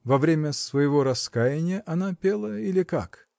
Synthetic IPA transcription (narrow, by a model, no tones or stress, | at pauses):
vɐvɾʲemʲəsvɐjɪvoɾɐskajɪnʲɪjəʔɐnapʲelˠəilʲɪka̰k